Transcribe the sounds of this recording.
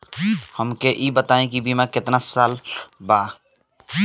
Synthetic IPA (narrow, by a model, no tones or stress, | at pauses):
həmkeʔiːbət̪aːẽkibʱimãkɪt̪nasaːlbaː